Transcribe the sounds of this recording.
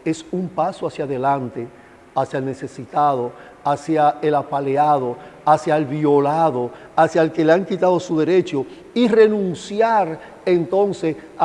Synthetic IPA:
e̞sumpasoasjaðe̞lant̪e̞ | asjaelne̞se̞sit̪aðo̞ | asjaelapaleaðo̞asjaelβio̞laðo̞asjaelkeleaŋkit̪aðo̞suðe̞ɾe̞t͡ʃo | ire̞nũnsjaɾ | ent̪o̞nses

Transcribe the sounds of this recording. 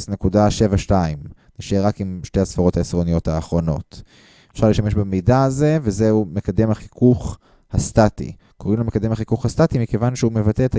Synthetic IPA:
sne̞kudaʃe̞vaʃtaim | naʃeʁakimʃtehasfaʁo̞thaesʁo̞nijo̞thaːχʁo̞no̞̰t | efʃaʁliʃt̪ame̞ʃbamidaːze̞vezeume̞kade̞mhaχikuχ | hast̪atḭ | kʰo̞ʁimlomekad̪e̞mhaχikuχhastatimike̞vanʃeume̞vateeta

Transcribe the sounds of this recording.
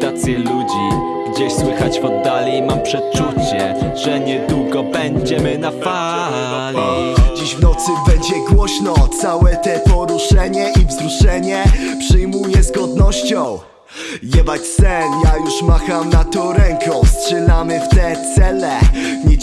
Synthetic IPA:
t̪at̪sʲjɛlud͡ʑi | ɡ̥d͡ʑeɕswɘxat͡ɕpɔd̪ːalʲimampʂɛt̪̚t͡ʂut͡ɕɛʐɛɲɛd̪wuɡɔbɛɲd͡ʑɛmɘnafa | li | d͡ʑiʑvnɔt̪sɘbɛɲd͡ʑɛɡwɔɕnɔt̪sawɛt̪ɛpɔɾuʂɛɲɛʔivzɾuʂɛɲɛpʂɘjmujɛzɡɔd̪nɔɕt͡ɕɔ̃w̃ | jɛbat͡ɕsɛnjajuʂmaxamnat̪ɔɾɛŋkʰɔfstʂɛlamɘft̪ɛt̪sɛlɛɲɛ

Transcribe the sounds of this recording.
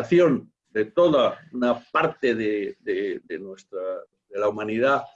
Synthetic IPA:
θjon | d̪et̪oðaunapaɾt̪eðeðeðenwest̪ɾa | ðelaumaniða

